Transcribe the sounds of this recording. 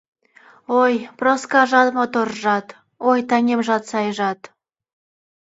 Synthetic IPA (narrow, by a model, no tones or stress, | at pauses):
ojproskɑʒɑt̪mot̪orʒɑt̪ | ojt̪ɑnʲemʒɑt̪sɑjʒɑt̪